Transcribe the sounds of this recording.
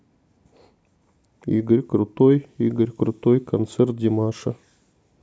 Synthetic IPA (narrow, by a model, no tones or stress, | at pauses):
ḭɡəɾʲkrut̪ojiɡəɾʲkɾut̪ojkɐnt̪sert̪̚dʲimɑʂə